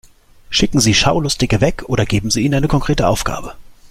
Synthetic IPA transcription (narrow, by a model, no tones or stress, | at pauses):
ʃɪkŋ̩ziːʃaʊlʊstɪɡəvɛkʰʔoːdɾɐɡeːbm̩ziːnʔaɪnəkʰɔŋkʁ̥eːtəʔaʊfɡ̥a̰ːbə